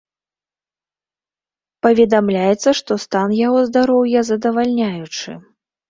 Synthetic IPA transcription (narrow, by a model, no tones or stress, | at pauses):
pɐvʲɛd̪amlʲajɛt̪sːɐʂt̪ɔst̪anjaɣɔzd̪aɾɔwjɐzɐd̪ɐvalʲnʲajut͡ʂɨ̰